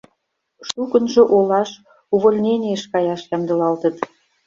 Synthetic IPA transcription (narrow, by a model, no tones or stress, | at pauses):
ʃukə̆nʒŏʔolɑʃ | uβolʲnʲenʲieʃkɑjɑʃjɑmd̪ɤ̆lɑlt̪ə̆t̪